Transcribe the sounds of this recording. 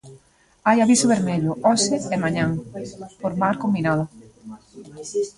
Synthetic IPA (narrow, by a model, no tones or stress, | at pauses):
ajaβisʊβeɾmeʎʊɔsɪemaɲaŋpoɾmaɾkombinaðʊ